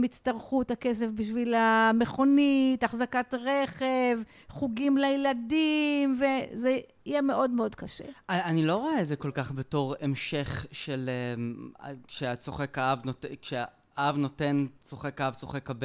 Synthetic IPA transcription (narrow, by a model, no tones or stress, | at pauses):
mit͡staʁχuthakes̬efbiʃvilameχo̞nitaχzakatʁeχev | χuɡimleeladimve̞ze | ijeme̞ʔo̞dmeo̞dkaʃḛaanilo̞ʁoaezeko̞lkaχbeto̞ʁemʃeχʃele | kʃeat͡so̰χekaavnotekʃe | avnotent͡soχekaavt͡so̰χekab